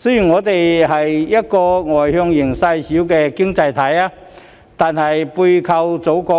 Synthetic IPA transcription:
sɵ˥jy˨˩nŋɔː˨˧t̪e˨jɦɐ˨jjɐ˥t̚kɔː˧ŋɔː˨˩jhœ˧ŋjɪ˨˩ŋsɐ˧jsi˨˥wkɛ˧kɪ˥ŋt͡sɐ˧jt̪ʰɐ˨˥jaː˧ | t̪aː˨nhɐ˨jpuː˧jkʰɐ˧wt͡so˨˥wkɔː˧

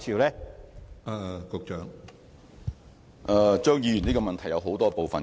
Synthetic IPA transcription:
sʰiː˨˩wlɛː˥ʔaː˨˩kʊ˨˧k̚t͡ʃœː˨˥ŋ | ʔɛ˨˧t͡ʃœː˥ŋjiː˨˧jy˨˩niː˥kɔ˧mɐ˨nt̪ʰɐ˨˩jɐ˨˧wɦo˨˥wt̪ɔː˥po˨wfɐ˨n

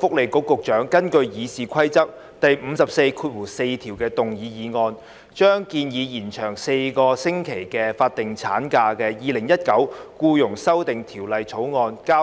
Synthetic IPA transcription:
fʊ˥k̚le˨˩jkʊ˨˥kːʊ˨k̚t͡ʃœː˨˥ŋkɐ˥nkɵ˧ɥjiː˨˧siː˨kʰɐ˥jt͡sɐ˥k̚ | t̪ɐ˨jm̩˨˧sɐ˨p̚se˧jkʰuː˧t̚wuː˨˩se˧jt̪ʰiː˨˩wkɛː˧t̪ʊ˨ŋjiː˨˧jiː˨˧ŋɔː˧n | t͡ʃœː˥ŋkiː˧njiː˨˧jiː˨˩nt͡ʃʰœː˨˩ŋse˧jkɔː˧sɪ˥ŋkʰe˨˩jkɛː˧faː˧t̚t̪ɪ˨˩ŋt͡sʰa̰ː˨˥nkaː˧kɛː˧jiː˨lɪ˨˩ŋjɐ˥t̚kɐ˨˥wkuː˧jʊ˨˩ŋsɐ˥wt̪ɪ˨ŋt̪ʰiː˨˩wlɐ˨jt͡sʰo˨˥wŋɔː˧nkaː˥

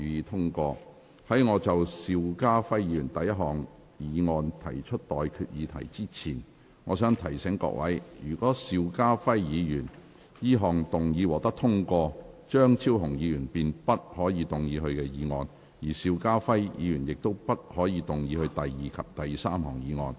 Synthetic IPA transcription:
y˨˧jiː˧t̪ʰʊ˥ŋkʷɔː˧ | hɐ˨˥jŋɔː˨˧t͡sɐ˨wsiː˧wkaː˥fɐ˥jjiː˨˧jyː˨˩nt̪ɐ˨jɐ˥t̚ɦɔː˨˩ŋ | jiː˨˧ŋɔː˧nt̪ʰɐ˨˩jt͡ʃʰɵ˥t̚t̪ɔː˨jkʰyː˧t̚jiː˨˧t̪ʰɐ̰˨˩jt͡siː˥t͡sʰiː˨˩n | ŋɔː˨˧sœː˨˥ŋt̪ʰɐ˨˩jsɛ˨˥ŋkɔ̰ː˧k̚wɐ˨˥jjyː˨˩kʷɔː˨˥siː˧wkaː˥fɐ˥jːiː˨˧jyː˨˩n | jiː˥ɦɔː˨ŋt̪ʊ˨ŋjiː˨˧wɔː˨˩t̪ɐ˥k̚t̪ʰʊ˥ŋkʷɔː˧t͡ʃœː˥ŋt͡sʰiː˥wɦʊ˨˩ŋjiː˨˧jyː˨˩npiː˨npɐ˥t̚hɔː˨˥jiː˨˧t̪ʊ˨ŋjiː˨˧ɦɵ˧ɥkɛː˧jiː˨˧ŋɔː˧n | jiː˨˩siː˨˧wkaː˥fɐ˥jjḭː˨˧jyː˨˩njɪ˨k̚t̪o˥wpɐ˥t̚hɔː˨˥jiː˨˧t̪ʊ˨ŋjiː˨˧hɵ˧ɥt̪ɐ˨jjiː˨˩kʰɐ˨p̚t̪ɐ˨jsaː˥mɦɔː˨˩ŋjiː˨˧ŋɔ̰ː˧n

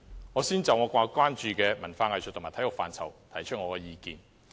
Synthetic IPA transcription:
ŋɔː˨˧siː˥nt͡sɐ˨˧wŋɔː˨˧kʷaː˧kʷwaː˥nt͡ʃyː˧kɛː˧mɐ˨˩nfaː˧ŋɐ˨jsʰt̪ʰːmaː˨˩t̪ʰɐ˨˥jʊ˨kfaː˨nt͡sʰɐ˨˩wt̪ʰɐ˨˩jt͡ʃʰɵ˥t̚ŋɔː˨˧kɛː˧jiː˧kiː˨˧n

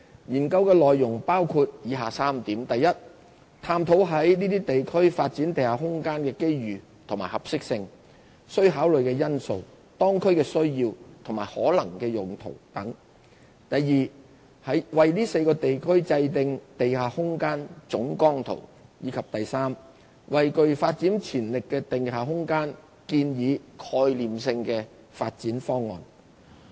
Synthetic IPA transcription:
jiː˨˩nkɐ˧wkɛː˧lɔː˨jːʊ˨˩ŋpaː˥wkʰuː˧t̚jiː˨˧ɦaː˨saː˥mt̪iː˨˥mt̪ɐ˨jɐ˥t̚ | t̪ʰaː˧mt̪ʰo˨˥wɦɐ˨˥jniː˥t̪iː˥t̪e˨jkʰɵ˥ɥfaː˧t̚t͡siː˨˥nt̪e˨jhaː˨ɦʊ˥ŋkaː˥nkɛː˧ke˥jɥyː˨˩ | t̪ʰʊ˨˩ŋmaː˨˩hɐ˨p̚sɪ˥k̚sɪ˧ŋ | sɵ˥ɥɦaː˨˥wlɵ˨˩ɥkɛː˧jɐ˥nso˨˧w | t̪ɔː˥ŋkʰɵ˥ɥkɛː˧sɵ˥ɥjiː˧wt̪ʰʊ˨˩ŋmaː˨˩jhɔ̰ː˨˥lɐ˨˩ŋkɛː˧jʊ˨ŋt̪ʰo̰˨˩wt̪ɐ˨˥ŋ | t̪ɐ˨jːiː˨ | hɐ˨˥jwɐ˨jliː˥se˧jkɔː˧t̪e˨jkʰɵ˥ɥt͡sɐ˧jt̪ɪ˨˧ŋt̪e˨jɦaː˨˩hʊ˥ŋkaː˥nt͡sʊ˨˥ŋkɔː˥ŋt̪ʰo̰˨˩wjiː˨˧kʰɐ˨p̚t̪ɐ˨jsaː˥m | wɐ˨jkɵ˨ɥfaː˧t̚t͡siː˨˥nt͡sʰiː˨˩nlɪ˨kːɛː˧t̪ɪ˨ŋhaː˨˩ɦʊ˥ŋkaː˥n | kiː˧njiː˨˧kʰɔː˧jliː˨msɪ˧ŋkɛː˧ | faː˧t̚t͡siː˨˥nfɔː˥ŋːɔ̰ː˨n

